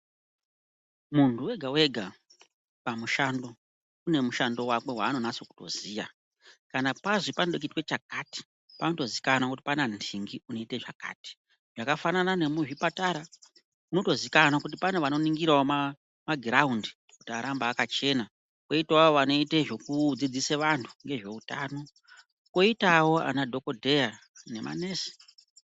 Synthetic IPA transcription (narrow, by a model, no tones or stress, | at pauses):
muntʰuwe̞ɡʱawe̞ɡʱa | pamuʃando̞ | une̞muʃando̞wake̞waːno̞nasoku̥to̞̰ziːja̰ | kanapazipanoɗokitwe̞t͡ʃakati̥ | panoto̞zikanakut̬i̥panandʰiŋɡiuno̞iteʐaka̰ːti̥ | ʐakafananane̞muʐipataɾa | kuno̞to̞zikanakut̬ipaneʋano̞niŋɡiɾaoma | maɡʱraundi | ku̥tiaɾambaːkat͡ʃe̞na | ko̞itaoʋano̞iteʐo̞kud͡zid͡ziseʋantʰu̥ŋɡe̞ʐe̞utaːno̞ | ko̞itawo̞a̰nadʱo̞ko̞dʱe̞ja | ne̞ma̰neːsi̥